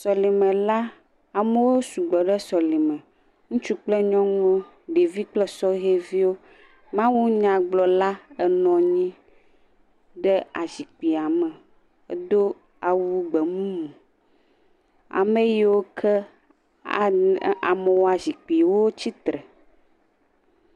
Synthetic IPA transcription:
sɔ˨li˨mɛ̃˨la˦ | a˨me˦wo˦su˨ɡ͡bɔ˨ɖɛ˦sɔ˨li˨mɛ̃˨ | ŋũ˦t͡ʃu˦k͡plɛ˦ɲɔ̃˦ŋɔ̃˦ | ɖe˨vi˦k͡plɛ˦sɔ˦ɦe˦vi˦wo˦ | mã˦wu˦ɲã˨ɡ͡blɔ˨la˦ɛ˦nɔ̃˨ɲĩ˦ | ɖɛ˦a˨zi˨k͡pi˨a˨mɛ˨˦ | d̪o˦ | a˨wu˦ɡ͡bɛ˨mũ˦mũ˨ | a̰˨me˦ji˦wo˦kʰɛ˦˨ | a˨mɛ˨wo˦a˨zi˨k͡pi˨wo˦t͡ɕi˦t̪ɾɛ˨

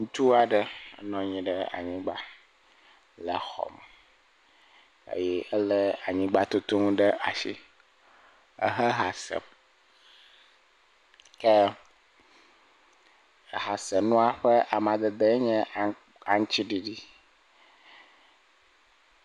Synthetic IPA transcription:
ŋũ˦t̪u˦a˨ɖə˦nɔ̃˦ɲĩ˨ɖə˦a̰˨ɲĩ˦ɡ͡ba˦ | lə˨xɔ̰˨mɛ˨ | ḛ˨jɛ˦ə˦lə˦a˨ɲĩ˦ɡ͡ba˦t̪o˦t̪o˦ŋũ˦ɖə˦ʔa˨ʃi˦ | ə̰˦ɦə˦ɦa˨sɛ̰˨m | ke˦˨ | ɦa˨sə˨nũ˦a˦ɸe˦ʔa˨mã˨d̪ə˨d̪e˦ɲɛ̃˦ | a˨ŋ˦t͡ɕi˦ɖi˨ɖi˦

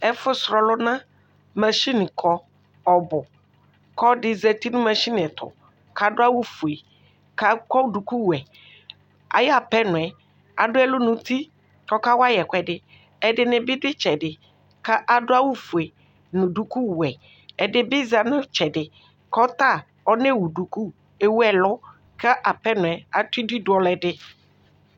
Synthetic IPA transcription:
ɛ˦fʊ˦sɾɔ˨lʊ˦nã˦ | ma˨ʃi˦n˨kʰɔ˦ | ɔ˨bʊ˨ | kɔ˦dɪ˨zɛ˨t̪i˦nʊ̃˦mã˨ʃi˦n˨ɛ˨t̪ʰɔ̰˨ | ka˨dʊ˦a˦wu˦fu˨e˨ | ka˦kɔ˦du˨ku˦wu˨ɛ˨ | a̰˨ja˨pɛ˦nʊ̃˨ɛ˨ | a˨dʊ˦ɛ˦lʊ˦nʊ̃˨t̪i˦ | kɔ˦ka˦wa˦jɛ˨kʷɛ˨dɪ˨ | ɛ˨dɪ˨nɪ˨bɪ˦dɪ˦t͡ʃɛ˨dɪ˨ | ka˦ʔa˨dʊ˦a˦wu˦fu˨e˨ | nʊ̃˨du˨ku˦wɛ˨ | ɛ˨dɪ˦bɪ˦za˨nʊ̃˦t͡ʃɛ˨dɪ˨ | kɔ˦t̪a˦˨ | ɔ˦ne˦˨wu˨du˨ku˦ | e˨wu˦ɛ˨lɔ˦ | ka˦ʔa˨pɛ˦nʊ̃˨ɛ˨a˨t̪i˦di˦dʊ˨˦ɔ˨lɛ˨dɪ˦

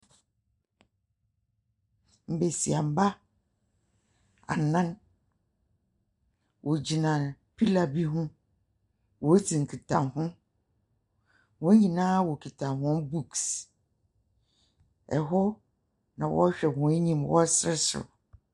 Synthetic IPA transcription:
m̩˨be˨si˨a˨m˨ba˦ | a̰˨nã˦n | wʔɔ˨d͡ʑi˨nã˨pʰi˦la˨bi˦ɦũ˦ | wɔ˨˦tʰi˨ŋ̩˨kʰi˨tʰa˨nɦʊ̃˦ | wɔ̃˨˦ɲĩ˨nãː˦wo˨kʰi˨tʰã˨nɦʊ̃˦bu˦˨ks | ɛ̰˨ɦɔ˦ | nã˨wɔ̰˦ɕᶣɛ˨hɔ̃˨e˦ɲĩ˨mwɔ˦sɾɪ˦sʊ̰˨

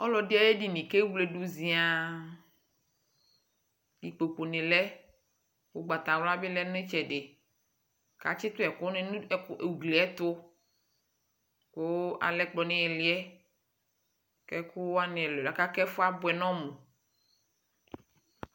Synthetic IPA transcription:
ɔ˦lɔ˨di˦a˨je˦ɖi˨nĩ˨ke˦wle˨ɖu˨zĩ˨a˨ | di˨k͡po˨k͡po˨nẽ˨lɛ˦ | wo˦ɡ͡ba˨t̪a˨wla˦be˦lɛ˦nʊ̃˦e˦t͡ʃɛ˨ɖe˨ | ka̰˨t͡ʃɪ˦t̪ʊ˦ɛ˨kɔ˦ne˦e˨u˨ɡle˨ɛ˦t̪ʊ˦ | ko˦ʔa̰˨lɛ˦k͡plɔ˨nẽ˦ɛ˨lɪ˦ɛ˦ | kɛ˦ku˦wa˦nẽ˨ɛ˨lɔ˨la˨ka˦kɛ˦fo˦a˦bʊ˨ɛ˨nɔ̃˦mũ˨

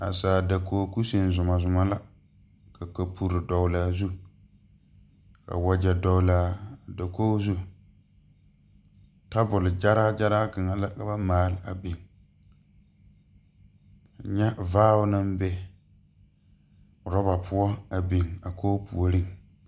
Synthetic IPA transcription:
a̰˨saː˨da˨kʰoː˨˦ku˦se˨n˨zʊ˨ma˨zʊ˨ma˨la˦ | kʰa˨ka˨pʰu˨ɾɪ˨dɔ˨wlaː˨zu˦ | ka̰˨wa˨d͡ʒɛ˨dɔ˨wlaː˨˦˨da˨koː˦zu˦ | ta˦bʊ˨lɪ˨d͡ʒa˦ɾa˦d͡ʒa˦ɾaː˦kɪ˨ŋa˨la˦ka˨ba˦maː˦lɪ˦a˨bɪ˨ŋ | ka˨ɲɛ˦vaː˦ʊ˦nɨ˦m˦bɛ˦˨ | ɾɔ˦ba˨pʰʊ˦ɔ˦a˨bi˨ŋa˨kʰoː˦pṵ˨o˨ɾɪ˦ŋ

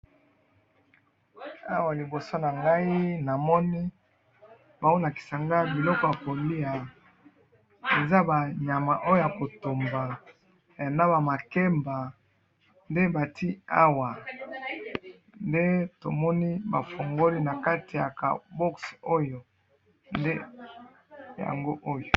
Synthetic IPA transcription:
a̰˦wa˨li˨bo˨so˦na˨ŋɡa˦i˦na˨mɔ˦ni˦ | ba˨u˦na˨ki̥˨sa˨ŋɡa˦bi˨lɔ˦kɔ˦ja˨ko˨li˦a˨ | e˨za˦ba˨ɲa˨ma˨ʔo˦jo˦ja˨ko˨to˨mba˨ | a˨na˦ba˨ma˨ke˦mba˨ | nde˦ba˨ti˦a˦wa˨ | nnde˦to̰˨mɔ˦ni˦ba˨fo˨ŋɡo˦li˦na˨ka˦ti˨ja̰˨ka̰˨bɔ˦kso˦jo˨ | nde˦ | ja̰˨ŋɡo˦ʔo˦jo˨

